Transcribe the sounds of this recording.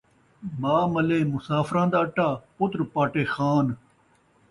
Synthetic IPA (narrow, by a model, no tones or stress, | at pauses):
maːməlẽːmʊsaːfʰɾãːd̪aːʈːaːpʊt̪ɾpaːʈeːxaːn